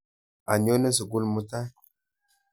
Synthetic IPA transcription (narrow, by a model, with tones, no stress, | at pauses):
a˨ɲ˨o˦nə˦s̬ə˨ɡu˦lmu˦ta˦